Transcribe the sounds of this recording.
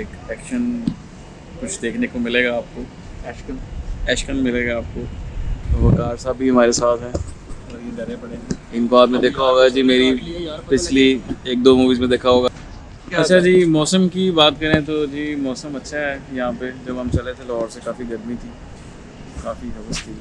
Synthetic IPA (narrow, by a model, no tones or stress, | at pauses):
eːkɛːkʃən | kʊt͡ʃʰd̪eːkʰnekomɪleːɡaːp̚koː | ɛːʃkənɛːʃkənmɪleːɡaaːp̚kot̪ːʋɐkaːɾsaːbʱiɦɐmaːɾesaːt̪ɦɛː | ɾjeɡɐɾẽpɐɽẽɡeɪnkoaːpmẽd̪eːkʰaɦoːɡad͡ʒiːmeːɾipɪt͡ʃʰlieːk̚d̪oːmuːʋiːzmẽd̪eːkʰaɦoːɡaː | kɐt͡ʃʰad͡ʒiːmɔːsəmkibaːt̪kɐɾẽt̪od͡ʒiːmɔːsəmɐtːʃʰaɦɛjɐɦãped͡ʒɐbɦɐmt͡ʃɐlet̪ʰelɐɦɔːɾsekaːfiɡɐɾmit̪ʰiː | kaːfiɦɐʋəst̪ʰi